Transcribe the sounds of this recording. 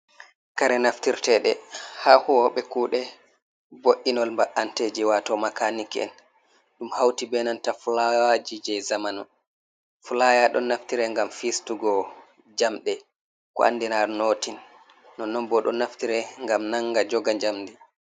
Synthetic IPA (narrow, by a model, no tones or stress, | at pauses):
kaɾɛnaftiɾtɛɗɛhahuwɔɓɛkuːɗɛ | boʔinɔlmbaʔanted͡ʒiwatɔmakanikɛ̰n | ɗumhawtibɛnantafulawad͡ʒid͡ʒɛzamanɔ̰ | fulajaɗɔnːaftiɾɛŋɡamfistuɡɔ | d͡ʒamɗɛ | kɔ̰a̰nːdɛnaɾnoːtinː | ɔnɔmbɔɗɔnaftiɾɛŋɡamnaŋɡad͡ʒɔɡaɲd͡ʒamdi